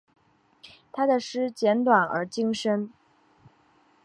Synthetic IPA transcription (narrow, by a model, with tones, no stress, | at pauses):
t̪ʰa˥d̪ə˨ʂɻ̩˥t͡ɕjɛ˧˥nt̪wa˨˩nə̰˞˧˥t͡ɕi˥ŋʂə˥n